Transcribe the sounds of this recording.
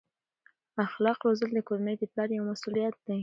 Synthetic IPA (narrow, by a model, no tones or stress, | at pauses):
axlɑqɾozəld̪əkoɾanəjd̪əplɑɾjawmasulijat̪̚d̪̥e